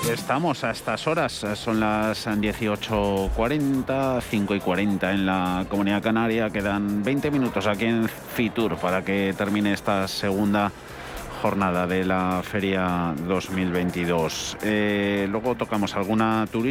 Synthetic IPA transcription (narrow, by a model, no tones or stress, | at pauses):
e̞st̪amo̞saest̪aso̞ɾasːo̞nlasd̪je̞θio̞t͡ʃo̞kwaɾe̞nt̪aθiŋko̞ikwaɾe̞nt̪ae̞nlako̞mũniðakanaɾjake̞ðanbe̞jnt̪e̞mĩnut̪o̞sakie̞ɱ | fit̪uɾpaɾake̞t̪e̞ɾmĩne̞est̪ase̞ɣ̞und̪a | xo̞ɾnað̞aðe̞lafe̞ɾjaðo̞zmilβe̞jnt̪ið̞o̞selwe̞ɣ̞o̞t̪o̞kamo̞salɣ̞unat̪uɾi